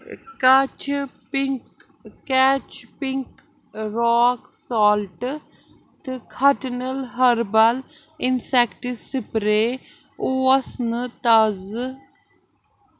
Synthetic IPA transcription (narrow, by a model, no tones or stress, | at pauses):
kɐt͡ʃʰp | kɛːt͡ʃʰpiŋk | ɾɔːksɔːlʈ | t̪ɨkʰɐʈnəlɦɐɾbɐl | insekʈisipɾeː | oɐsnɨt̪ɐz